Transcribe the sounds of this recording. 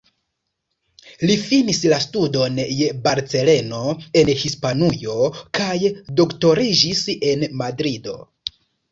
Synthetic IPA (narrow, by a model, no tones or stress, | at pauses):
lifinislastudo̞nje̞baɾt͡se̞le̞no̞e̞nhispanujo̞kʰajdo̞kto̞ɾid͡ʒise̞nmadɾido̞̰